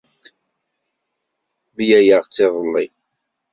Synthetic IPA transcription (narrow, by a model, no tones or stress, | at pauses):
bjæjəʁt͡sːɪðˤəlːi